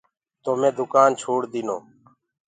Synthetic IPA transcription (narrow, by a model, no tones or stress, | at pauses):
t̪oːmẽːd̪ʊkaːnt͡ʃʰoːɽd̪ɪːno̰ː